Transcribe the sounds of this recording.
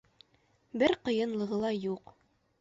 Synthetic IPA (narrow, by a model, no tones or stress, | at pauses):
bɘɾqɤ̆jɤ̆nlˠɤ̆ʁɤ̆lˠɑjuq